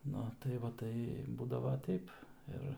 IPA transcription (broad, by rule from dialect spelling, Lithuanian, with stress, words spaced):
ˈnʊ tɐɪ ˈʋɐ ˈtɐɪ ˈbuːdɐʋoː ˈtʲɛɪp ˈɪr